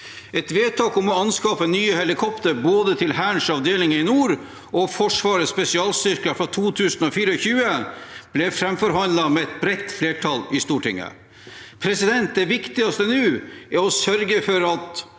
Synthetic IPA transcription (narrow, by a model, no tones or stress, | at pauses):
ɛt̪ʋeːt̪ʰɑːkɔmɔɑnskɑːpənyːəhɛlɪkʰɔpt̪əɾboːd̪ət̪ʰɪlɦæːɳʂɑʋd̪eːlɪŋɪnuːɾ | ɔfɔʂʋɑːɾəspɛsɪɑːlst̪ʏɾkəfɾɑt̪ʰuːt̪ʰʉːsənɔfiːɾəɔçʉːəb̥lɛfɾɛmfɔɾhɑnlɑmɛɛt̪̚bɾɛt̪ːfleːʈʰɑlɪst̪uːʈʰɪ̰ŋːə̰ | pʰɾɛsɪd̪ɛnt̪̚d̪ɛʋɪkt̪ɪɡɑst̪ənʉːæɾɔsœɾɡəfɔɾɑt̪